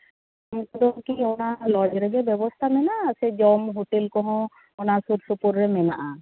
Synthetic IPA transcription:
amkɔd̪ɔkiɔnalɔd͡ʒɾɛɡɛbɛbɔst̪ʰamɛnasɛd͡ʒɔmɦuʈelkɔɦɔ̃ | ɔnasuɾsupuɾːɛmɛna̰ʔa

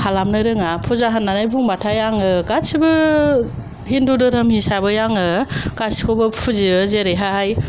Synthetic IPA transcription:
kʰalamnɯɾɯŋapʰuzaɦanːanajbʰuŋbatʰajaŋɯɡasibɯ | ɦindudɯɾɯmhisabɯjaŋɯɡ̥asi̥kʰobɯpʰuziɯzeɾejɦaj

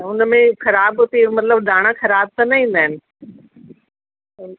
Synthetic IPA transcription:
ʊnmẽxɐɾaːbʊt̪emɐt̪ləbɖʱaːɽ̃axɐɾaːb̚t̪ɐnɐɦĩːn̆d̪aːɪnɪ̆

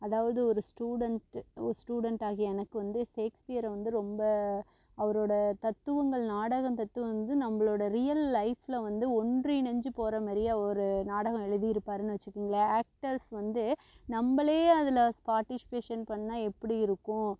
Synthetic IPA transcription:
ɐðaːʋɐðɯɔɾɯsʈuːɽɐɳʈɔ̰ɾɯsʈuːɽɐɳʈaːɣiɛnɐkːɯʋɐnd̪ɯseːkspɪjɐɾɐʋɐnd̪ɯɾɔmbɐ | ɐʋɐɾoːɽɐt̪ɐt̪ːɯʋɐŋɡɐɭnaːɽɐɣɐ̃mt̪ɐt̪ːɯʋɐɐnd̪ɯnɐmːɐɭoːɽɐɾɪjɐlːɐɪflɐʋɐnd̪ɯɔɳɖrinɐɲd͡ʒɯpoːɾɐmɐːɾɪjaɔɾɯnaːɽɐɣɐ̃ɛɻɯðijɪɾɯpːaːɾɯnɯʋɐt͡ʃːɯkːɯŋɡɐɭɐaːk̚ʈɐɾsʋɐnd̪ɯ | nɐmbɐɭeːɐðɪlɐspaːɾʈɪsɪ̥peːʂɐnpɐɳːaːɛpːɐɽiɪɾɯkːʊ̃

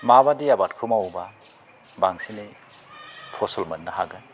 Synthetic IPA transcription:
mabadiabatkʰumawba | baŋsini | pʰɔsɔlmɐt̚nɐɦa̰ɡɯn

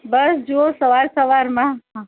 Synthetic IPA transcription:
bɐsd͡ʒoosɐʋaːɾsɐʋaːɾmãɦã

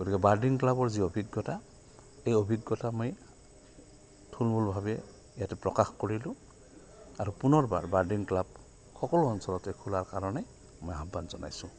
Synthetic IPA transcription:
ɡ̥otikɛbaɹdiŋklabɔɹziobʱiɡːɔta | ejobʱiɡːɔtamoj | tʰulmulbʱabɛ | ijatɛpɹɔkaxkoɹilʊ̃ | aɹupunɔɹba̰ɹbaɹdiŋklab̚ | kɔkɔluɔnsɔlɔtɛkʰulaɹkaɹɔnɛ | mojaɦbːanzɔna̰jsʊ̃

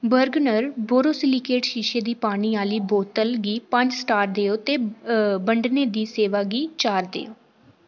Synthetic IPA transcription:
bəɾɡnəɾboːɾoːsɪlikeːʈʃiːʃeːd̪iːpaːɽ̃iːaːliːboːt̪əlɡiːpə̃ɲd͡ʒsʈaːɾd̪eːoːt̪eːbəɳɖneːd̪iːseːʋaːɡiːt͡ʃaːɾd̪ḛːoː

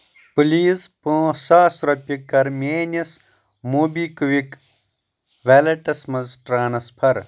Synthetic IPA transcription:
puliːzpõːsaːsɾɐpʲikːɐɾmʲeːnɐs | muːbiːkʋik | ʋeːlɐʈɐsmɐzʈɾaːnɐspʰɐɾ

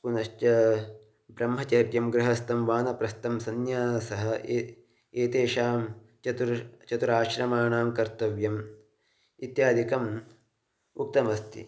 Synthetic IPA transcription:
kunɐʃtjɐ | bɾɐmɦɐt͡ʃɐːpjɐmɡɾɐɦɐst̪ɐmʋaːnɐpɾɐst̪ɐmsɐnjaːnsɐɦɐ̆e | eːt̪eːʃaːm | t͡ʃɐt̪uɾt͡ʃɐt̪uɾaːʃɾɐmaːnaːmkɐɾt̪ɐʋjɐm | it̪jaːd̪ʱikɐm | uk̚t̪ɐmɐst̪ḭ

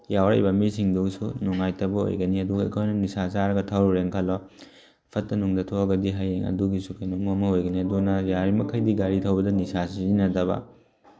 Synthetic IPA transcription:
jawɾɐ̰jbɐmisiŋduŋsunuŋajtɐbɐo̰jɡɐniɐduɡɐḛkʰojnɐnisasaɾɐɡɐtʰawɾuɾeŋkʰɐlɔ | pʰɐtːɐnuŋdɐtʰoɐɡɐdiɦajeŋɐ̰duɡisukɐjnomuɐmɐojɡɐniɐdunɐjaɾimɐkʰɐjdiɡaɾitʰɐwbɐdɐnisasizinɐtɐbɐ̰

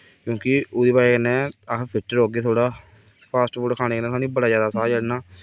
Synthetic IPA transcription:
kjõːkɪʊd̪iːbaːkənːɛ̃ːəkpʰɪʈːəɾoːɡeːt̪ʰoːɽaː | pʰaːsʈoɽkʰaːnẽːkənɛ̃ːaːnĩːbəɽaːzjaːd̪aːsaːd͡ʒəɽnaː

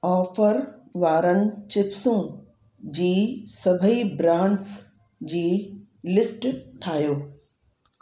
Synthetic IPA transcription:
ɔːfəɾʋaːɾənɪ̆t͡ɕɪpsũ | d͡ʑiːsɐbʱəibɾãːɳɖs | d͡ʑiː | lɪsʈʈʰaːɦjoː

